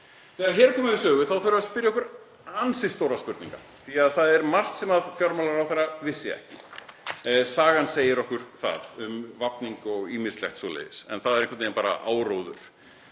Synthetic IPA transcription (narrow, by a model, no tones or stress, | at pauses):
θɛːɣaɾɦɛːɾkʰɔːmɪvɪsœːɣʏθawθœɾʏvaspɪɾjaɔkʏɾ | ansɪst̪owɾaspʏɾt̪nḭ̃ŋka̰ | θiaðθaðɛɾmar̥t̪sɛmaðfjɔɾmalaɾawθaravɪsːɪɛ̰hcɪ | saːɣanseːjɪɾɔhkʏɾ̥θa̰ðʏmvapniŋkɔɣiːmɪslɛ̰hxt̪sɔːlḛːjðɪsɛ̰nθaðɾẽŋkat̪eːnmpaːɾa̰ʔaːwɾoːwðʏ̰ɾ̥